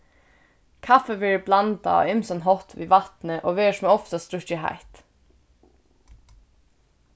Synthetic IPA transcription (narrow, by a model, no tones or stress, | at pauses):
kʰafəʋɛɹəblant̪a̰ɔ̰ɪmsanɦɔt̪ʋḭːʋat̪nəʔoːʋeːʂmɛɔft̪ast̪ɾʊɹɪɦa̰ɪt̪